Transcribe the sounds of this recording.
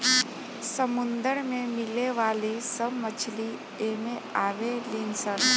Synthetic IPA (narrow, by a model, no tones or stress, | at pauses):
səmʊnd̪əɾmẽmɪleʋaːlisəmət͡ʃʰli | eːmẽaːʋeliːnsən